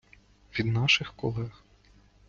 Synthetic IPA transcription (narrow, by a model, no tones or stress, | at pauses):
ʋʲid̪nɑʃɪxkɔ̰lˠɛx